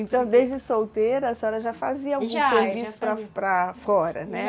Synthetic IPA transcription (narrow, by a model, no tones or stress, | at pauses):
ẽnt̪ɐ̃w̃d̪ezd͡ʒɪsowt̪eɾɐɐsɔɾɐʒafaziɐawɡũseɾvisʊ̥pɾɐpɾɐfɔɾɐ̰nɛ